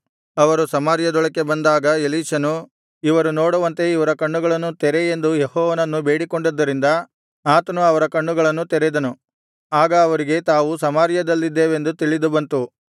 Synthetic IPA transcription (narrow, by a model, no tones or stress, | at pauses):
ɐʋɐɾusɐmaːɾjɐd̪ɔɭɐkːe̞bɐnd̪aːɡɐeliːʃɐnu | iʋɐɾunoːɽuʋɐnt̪e̞iʋɐɾɐkɐɳːuɡɐɭɐnːut̪ɛɾeend̪ujehɔːʋɐnɐnːube̞ːɽiko̞ɳɖid̪ːɐɾind̪ɐ | aːt̪ɐnuɐʋɐɾɐkɐɳːuɡɐɭɐnːut̪ɛɾed̪ɐnu | aːɡɐːʋɐɾiɡe̞t̪aːʋusɐmaːɾjɐd̪ɐlːid̪ːeːʋe̞nd̪ut̪iɭid̪ubɐnt̪u